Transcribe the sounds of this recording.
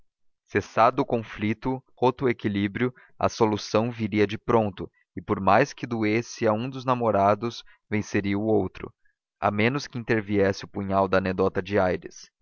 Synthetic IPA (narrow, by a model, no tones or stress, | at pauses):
sesad̪ʊʊkõflit̪ʊhot̪ʊekilibɾjʊ | ɐ̰solusɐ̃w̃viɾiɐd͡ʒɪpɾõnt̪ʊ | ɪpoɾmajskɪd̪uesɪɐũd̪ʊznamoɾad̪ʊs | vẽseɾiɐʊowt̪ɾʊ̰ | a̰mẽnʊskɪĩnt̪eɾviɛsɪʊpuɲawd̪ɐːned̪ɔt̪ɐd͡ʒɪajɾɪ̰s